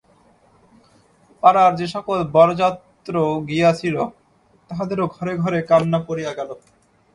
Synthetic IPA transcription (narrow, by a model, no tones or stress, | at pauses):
paɾaɾd͡ʑeʃɔkolbɔɾod͡ʑat̪ːɾoɡiat͡ɕʰilo | t̪aɦad̪eɾoɡʱɔɾeɡʱɔɾekanːapoɾijaɡɛlo